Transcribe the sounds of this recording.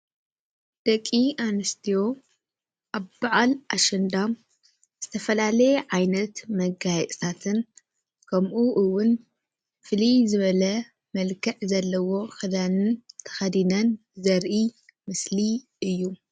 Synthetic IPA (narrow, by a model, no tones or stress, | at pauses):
d̪̥ɐkʼianɨst̪ʰijo̞ | ʔaβbaʕalʔaʃɐnd̪am | z̥ɨt̪ʰɐfɐlalɐjɛʕajnɐt̪mɐɡajɛt͡sʼt̪ʰat̪ʰɨn | kʰɐmʔuʔɨwːʊn | fɨlizɨβɐlɐ | mɐlkʰɐʕzɐlːɐwo̞xɨd̪anɨnt̪ʰɐ̥xɐd̪inɐn | zɐɾʔi | mɨsli | ɨjːu